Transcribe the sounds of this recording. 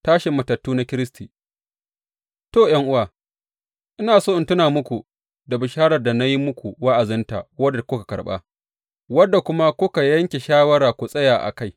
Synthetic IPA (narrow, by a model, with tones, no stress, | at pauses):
taː˦ʃɪ˨mːɐ˨tɐ˨tːuː˦na˦kʲɪ˦ɾɪ˦stʰiː˨ | toː˦˨jɐ˦ŋʔʊ˦waː˨ | ʔɪ˦naː˨soː˦ʔɪ˦ntʊ˦naː˨mʊ˦kʷu˨ | da˨bʊ˨ʃaː˦ɽɐ˨rda˨na˦ji˦mʊ˦kʷu˨wa˦ʔa˨zɪ˦nta̰˨wɐ˦da˨kʷʊ˦kḁ˨kɐ̰˨ɽɓa̰˦ | wɐ˦dːa˨kʷʊ˦ma˦kʷʊ˦ka˨jɐ˦ŋkʲe˨ʃaː˦wɐ˦ɾaː˨kʷu˨sʼɐ˦jaː˨ʔa̰˨ka˦j